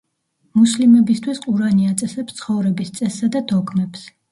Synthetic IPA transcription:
muslimɛbist̪ʰwisqʼuɾaniat̪sʼɛsɛpst̪sʰχɔvɾɛbist̪sʼɛsːad̪ad̪ɔkʰmɛps

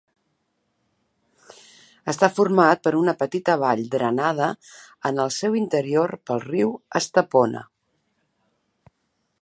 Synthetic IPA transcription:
əst̪afurmat̪̚pəɾunəpət̪it̪əβ̞aʎd̪ɾənað̞əənəlˠsɛwint̪əɾioɾpəlˠriwəst̪əponə̰

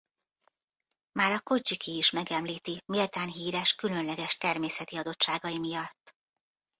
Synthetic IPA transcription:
maːɾɒko̞d͡ʒikʰiːʃmɛɡɛmliːt̪imiːlt̪aːnɦiːɾɛʃkylø̞nlɛɡɛʃt̪ɛrmeːsɛt̪iɒd̪o̞t͡ʃʃaːɡɒjimijɒt̪ː

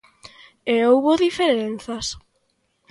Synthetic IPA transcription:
eowβoðifeɾen̟θas

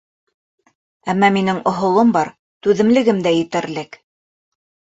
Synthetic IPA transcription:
æmːɑminɘŋŏɦŏlˠombɑɾ | t̪ʉðɘ̆mlɘ̆ɡɘmd̪æjɘ̆t̪ɘ̆ɾlɘk

